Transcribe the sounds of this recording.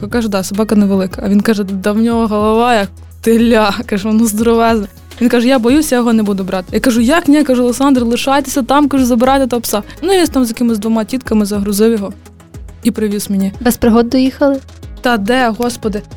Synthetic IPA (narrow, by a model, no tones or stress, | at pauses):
kɑʒɛd̪ɑsɐbɑkɐnɛʋelˠɪkɐɐʋʲinkɑʒɛd̪ɐwnʲɔɦɔɦɔlˠɐʋɑjɐk̚ | t̪ɪlʲːɑkɑʒʋɔnɔzd̪ɔɾɔʋɛznɐ | ʋinkɑʒɛjabɔjusʲjajɔɦɔnɛbud̪ʊbɾɑt̪ɪ̥jakɐʒʊjɐknʲɛkɐʒuɔlˠeksɑnd̪ɾɪlˠɪʃɑjt̪e̥sʲɐt̪ɑmkɐʒuzɐbɾɑt̪ɪt̪ɐpsɑnuiʋʲinst̪ɑmzʲjɐkɪmɪzd̪ʋɔmɑtʲit̪kɐmɪzɐɦɾʊzɪwjɔɦɔ | ipɾɪʋʲismʲinʲibɛspɾɪɦɔd̪ːɔjixɐlˠɪ | t̪ɑd̪ɛɦɔspɔd̪ɪ